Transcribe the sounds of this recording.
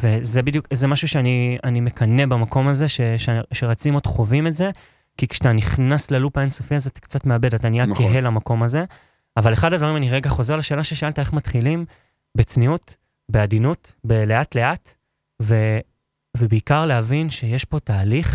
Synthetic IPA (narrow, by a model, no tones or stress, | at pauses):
ve̞zebidjukzemaʃuʃeanianime̞kʰane̞bamako̞maze̞ʃeʃʃe̞ʁat͡simo̞dχo̞vimetze̞ | kikʃtaniχnaslelupaensofiazeat̪ḁkt͡satmeabe̞dat̪anijakeɦe̞lamako̞maze̞ | avaleχadad̪vaʁimaniʁeɡaχo̞ze̞ʁlaʃeːlaʃeʃaaltae̞χmatχilim | bet͡sniut | beadinut | beleatle̞ʔat | ve̞ | vebeikaʁleavinʃe̞jeʃbo̞taːliχ